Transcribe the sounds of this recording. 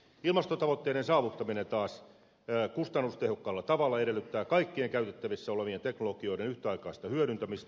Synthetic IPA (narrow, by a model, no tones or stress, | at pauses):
ilmɑst̪ot̪ɑʋot̪ːeːɾensɑːʋut̪ːɑminent̪ɑːsː | kust̪ɑnːust̪ehokːɑːlːɑt̪ɑʋɑlːɑeɾelːyt̪ːæːkɑikːieŋkæyt̪et̪ːæʋisːæoleʋient̪eknolokio̞idenyht̪eɑikɑːst̪ɑhyøɾynt̪æmist̪